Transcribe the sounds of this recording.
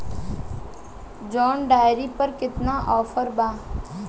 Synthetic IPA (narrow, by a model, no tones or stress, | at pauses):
d͡ʒɔːnɖaːjɾiːpəɾkɪt̪naːʔɔːfʰəɾbaː